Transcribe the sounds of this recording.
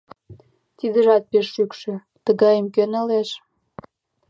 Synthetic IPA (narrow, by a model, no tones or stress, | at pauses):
t̪id̪əʒɑt̪̚peʃːykʃø | t̪əɣɑjəmkønəleʃ